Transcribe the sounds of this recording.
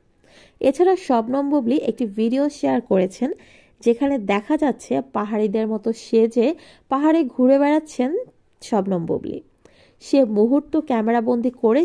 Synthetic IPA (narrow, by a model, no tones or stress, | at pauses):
et͡ɕʰaɾaʃɔbnɔmbobliʔek̚ʈivʱiɖioʃeaɾkoɾet͡ɕʰen | d͡ʑekʰaned̪ɛkʰad͡ʑatːɕʰepaɦaɾid̪eɾmɔt̪oʃed͡ʑe | paɦaɾeɡʱuɾebɛɽatːɕʰen | ʃɔbnɔmbo̰blḭ | ʃemuɦuɾt̪ːokɛmeɾabond̪ʱikoɾe